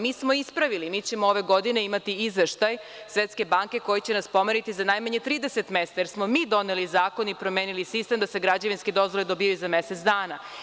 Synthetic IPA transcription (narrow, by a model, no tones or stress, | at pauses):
miːsmoispɾaʋilimiːt͡ɕe̞mooʋe̞ɡod̪ine̞imat̪iizʋeʃt̪ajsʋet̪ske̞baŋke̞ko̞jit͡ɕe̞naspo̞meɾit̪izanajmaɲet̪ɾiːd̪ese̞t̪me̞st̪ajeɾsmo̞miːd̪o̞nelizaːko̞nipɾo̞mjeːnilisist̪e̞md̪ase̞ɡɾad͡ʑeʋinsked̪o̞zʋoled̪obijajuzameset̪sd̪aːna